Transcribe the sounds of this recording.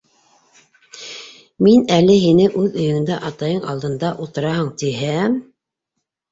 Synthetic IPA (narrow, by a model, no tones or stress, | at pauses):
minælɘɦinɘʔʉðɵ̆jɵ̆ŋɘ̆nd̪æʔɑt̪ɑjɤɴɑlˠd̪ɤ̆nd̪ɑʔulˠt̪ɤ̆ɾɑɦɤɴt̪iɦæ